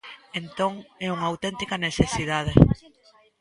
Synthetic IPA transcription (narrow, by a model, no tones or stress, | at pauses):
ent̪oŋɛuŋɐːwt̪ɛnt̪ikɐnesesiðað̞e